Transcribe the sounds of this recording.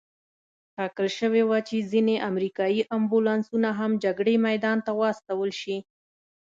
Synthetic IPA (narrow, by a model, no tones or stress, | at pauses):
ʈɑkəlʃəwewat͡ʃezineʔamɾikɑjiʔambulɑnsunaɦamd͡ʒaɡɽemajd̪ɑnt̪awɑst̪awəlʃi